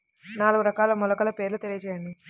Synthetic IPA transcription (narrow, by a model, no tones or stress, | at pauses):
naːluɡuɾɐkaːlɐmɔlɐkɐlɐpe̞ːɾlut̪elijɐt͡ʃɛːjɐɳɖi